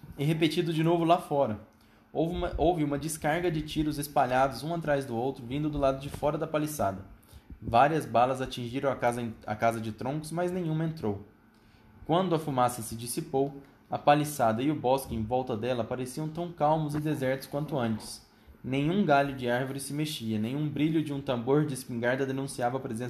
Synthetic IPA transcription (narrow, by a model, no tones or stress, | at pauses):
ɛɦepet͡ʃid̪ʊd͡ʒɪnovʊlafɔɾɐ | oowvɪũmɐd͡ʒɪskaɾɡɐd͡ʒɪt͡ʃiɾʊzespaʎad̪ʊzũat̪ɾajzd̪ʊowt̪ɾʊvĩnd̪ʊd̪ʊlad̪ʊd͡ʒɪfɔɾɐd̪ɐpalisad̪ɐvaɾiɐzbalɐzat͡ʃĩʒiɾɐ̃w̃ɐazɐ̰kazɐd͡ʒɪt̪ɾõŋkʊzmɐznẽjɲ̃ũmɐẽnt̪ɾow | kwɐ̃nd̪ʊɐfumasɐsɪd͡ʒisipow | ɐpalisad̪ɐɪʊbɔskɪẽj̃vɔwt̪ɐd̪ɛlɐpaɾesiɐ̃w̃t̪ɐ̃w̃kawmʊzɪd̪ezɛɾt̪ʊskwɐ̃nt̪ʊɐ̃nt͡ʃɪ̥s | nẽɲ̃ũɡaʎʊd͡ʒɪaɾvʊɾɪsɪmeʃiɐnẽɲ̃ũbɾiʎʊd͡ʒɪũt̪ɐ̃mboɾd͡ʒɪspĩŋɡaɾd̪ɐd̪enũsiavɐpɾezẽ